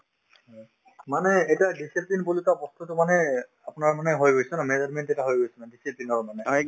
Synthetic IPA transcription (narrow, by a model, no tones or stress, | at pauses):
ɔ | manɛːjtadisiplinpolikabɔst̪utʊmanɛ | apʊnaɹmanɛɦojɡojsɔnamezɔɹmɛntetaɦojɡojsɔnadisiplinɔɹmanɛ